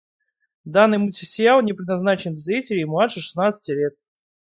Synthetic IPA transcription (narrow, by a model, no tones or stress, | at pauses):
d̪anːɨjmutʲɪsʲɪjalˠnʲɪpɾʲɪd̪nɐznat͡ɕɪnʲzʲɾʲitʲɪlʲɪmʊlˠad̪ʂəʂɨ̥snat̪sɨ̥tʲɪlʲet̪̚